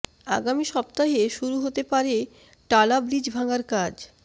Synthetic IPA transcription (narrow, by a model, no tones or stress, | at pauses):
a̰ɡamiʃɔp̚t̪aɦeʃuɾuɦot̪epaɾe | ʈalabɾid͡ʑbʱaŋaɾkad͡ʑ